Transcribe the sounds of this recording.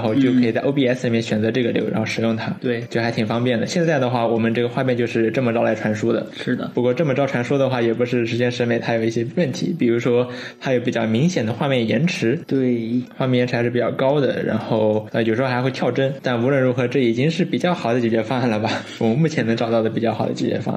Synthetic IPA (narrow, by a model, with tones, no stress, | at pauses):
xo˥˧ʊt͡ɕjo˥˧ʊkʰi˨˩t͡sa˥˧˩ʔo˥pi˥˧ɛ˥sli˨˩mjɛ˥˩nɕɥɛ˨˩nt͡sɤ˧˥ʈ͡ʂɤ˥˩ɡə˩ljo̰˧˥ʊɻa̰˧˥xo˥˧ʊʂɻ̩˧˥jʊ˥˩ŋt̪ʰa˥t̪e˥˩t͡ɕjʊxa˧˥ɪt̪ʰi˨˩fɑ˥ŋpjɛ˥˩nd̪ə˩ɕjɛ˥˧nt͡sa˥˩ɪd̪ə˩xwa˥˩wɔ˨˩mə˦nʈ͡ʂɤ˥˩ɡə˩xwa˥˧mjɛ˥˧nt͡ɕjo˥˧ʊʂɻ̩˥˧ʈ͡ʂɤ˥˩mə˩ʈ͡ʂɑ˥ʊla˧˥ɪʈ͡ʂʰwa˧˥nʂu˥d̪ə̰˨ʂɻ̩˥˩d̪ə˩pu˧˥kwɔ˥˧ʈ͡ʂɤ˥˩mə˩ʈ͡ʂɑ˥ʊʈ͡ʂʰwa˧˥nʂu˥d̪ə˨xwa˥˩jɛ˨˩pu˧˥ʂɻ̩˥˩ʂɻ̩˧˥t͡ɕjɛ˥nʂɻ̩˧˥me˨˩ɪt̪ʰa˥jo˨˩ʊi˥˩ɕjɛ˥wə˥˩nt̪ʰḭ˧˥pi˨˩ɻu˧˥ʂwɔ˥ | t̪ʰa˥jo˧˥ʊpi˨˩t͡ɕjɑ˥˩ʊmi˧˥ŋɕjɛ˨˩nd̪ə˦xwa˥˧mjɛ˥˩njɛ˧˥nʈ͡ʂʰɻ̩˧˥t̪we˥˩xwa˥˧mjɛ˥˩jɛ˧˥ʈ͡ʂʰɻ̩˧˥ɻ̩˥˩pi˨˩jɑ˥˧ʊkɑ˥ʊd̪ə̰˨ɻa̰˧˥nxo˥˩ʊ˧˩jo˨˩ʂɻ̩˧˥˧xa˧˥ɪwe˥˧ɪjɑ˥˧ʊʈ͡ʂə˥nt̪a˥˩nu˧˥ɻə˥˩nɻu˧˥xɤ˧˥ʈ͡ʂɤ˥˩i˨˩t͡ɕi˥ŋʂɻ̩˥˩pi˨˩t͡ɕjɑ˥˩ʊxɑ˨˩ʊd̪ə˦t͡ɕi˧˩jɛ˥fɑ˥a˥˩nlə˩bɐ˩wɔ˨mə˧nmu˥˩t͡ɕʰjɛ˧˥nɤ˧˥ŋʈ͡ʂɑ˨˩ʊt̪ɑ˥˩d̪ə˩p̬i˨˩t͡ɕɑ˥˩xɑ˨˩ʊd̪ə˧t͡ɕi˧˩t͡ɕjɛ̰˥fɑ̰˥ŋ̰˥˩